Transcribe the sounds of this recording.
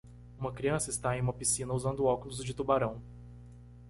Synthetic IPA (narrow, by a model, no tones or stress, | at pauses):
ũmɐkɾiɐ̃sɐɪst̪aẽj̃ũmɐpisĩnɐuzɐ̃nd̪ʊɔkʊlʊzd͡ʒɪt̪ubaɾɐ̃w̃